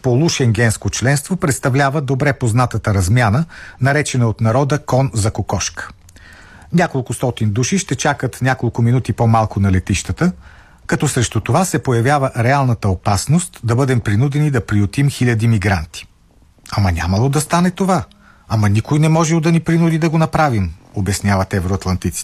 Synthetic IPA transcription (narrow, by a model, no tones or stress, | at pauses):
polˠuʃɛŋɡɛnskot͡ʃlɛnst̪vopɾɛt̪st̪ɐvlʲavəd̪obɾɛpoznat̪ət̪əɾɐzmʲjanənɐɾɛt͡ʃɛnəot̪nɐɾɔd̪əkɔnzɐkokɔʃkə̥ | nʲakolˠkʊst̪ɔt̪ind̪uʃiʃt̪ɛt͡ʃakət̪nʲjakolˠkʊminut̪ipomalˠkʊnɐlɛt̪iʃt̪ət̪ə | kɐt̪ɔsɾɛʃt̪ut̪ovasɛpojɐvʲjavəɾɛalˠnət̪əopasnost̪d̪ɐbɤd̪ɛmpɾinud̪ɛnid̪ɐpɾiot̪imxilʲɐd̪imiɡɾant̪i̥ | ɐmɐnʲa̰mɐlˠod̪ɐst̪anɛt̪ova | amɐnikojnɛmɔʒɛlˠd̪ɐnipɾinud̪id̪ɐɡonɐpɾavimobɛsnʲjavɐt̪ɛvɛɾoɐt̪lˠɐnt̪it̪si̥